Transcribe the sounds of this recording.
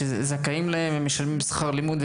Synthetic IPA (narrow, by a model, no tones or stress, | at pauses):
ezzakaimlahememːeʃalmimsχaʁlimud̪v